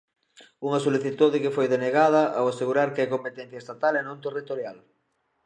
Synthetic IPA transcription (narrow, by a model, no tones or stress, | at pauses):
uŋɐsoliθit̪uðɪkɪfojðeneɣað̞ɐʔawaseɣuɾaɾkɪajkompet̪ɛn̟θjɐest̪at̪alɛnũnt̪erit̪oɾjal